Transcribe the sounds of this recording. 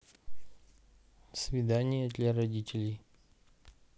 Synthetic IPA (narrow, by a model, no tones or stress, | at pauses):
svʲɪd̪anʲɪjəd̪lʲarɐdʲitʲɪlʲɪj